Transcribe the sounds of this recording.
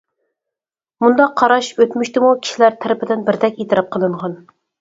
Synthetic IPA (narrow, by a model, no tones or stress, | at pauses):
mund̪ɑqʰːɑɾɑʃøt̪myʃt̪ɪmukʲʰi̥ʃilæɾt̪ʰæɾɪpʰɪd̪ɪnbɪɾd̪ɛkʲet̪ʰɪɾɑp̚qʰəlˠɨɴʁɑn